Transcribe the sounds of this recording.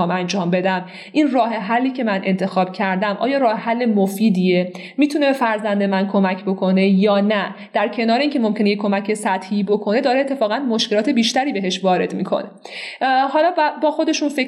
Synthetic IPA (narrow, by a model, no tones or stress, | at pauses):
ɒːmænd͡ʒɒːmbe̞d̪æm | ʔiːnrɒːɦe̞ɦælːiːcʰe̞mænʔe̞nt̪ʰe̞xɒːb̥cʰæɾd̪æmʔɒ̰ːjɒːɾɒːhehælːemofiːd̪ie | miːt̪ʰunebefæɾzænd̪e̞mænkʰo̞mæcʰbo̞kʰo̞ne̞jɒːnæd̪̥æɾcʰe̞nɒːɾeincʰe̞mo̞mcʰenejekʰːo̞mæcʰe̞sæt̪hiːbo̞kʰo̞ne̞d̪ɒːɾeet̪ːefɒːɣænmoʃkʲe̞lɒːt̪ʰe̞biːʃt̪æɾiːbe̞ɦe̞ʃvɒːɾe̞d̪miːkʰo̞̰ne̥ | hɒːlɒːbbɒːxo̞d̪e̞ʃunfe